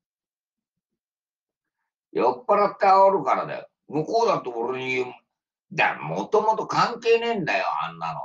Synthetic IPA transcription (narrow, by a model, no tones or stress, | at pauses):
jopːaɾat̪ːeaoɾɯ̟kaɾad̪ḛ | mɯkoːd̪ãt̪ːoboɾɯɲijɯm | d̪a̰mot̪omot̪okãŋke̞ːnẽ̞nd̪ajo̰a̰nːa̰no